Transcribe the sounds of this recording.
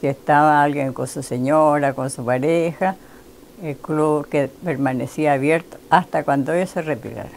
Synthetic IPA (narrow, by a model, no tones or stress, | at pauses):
siest̪aβaalɣjeŋkonsuseɲoɾakonsupaɾexa | elkluβkepeɾmanesiaːβjeɾt̪oast̪akwand̪oejoserepḭla̰ɾa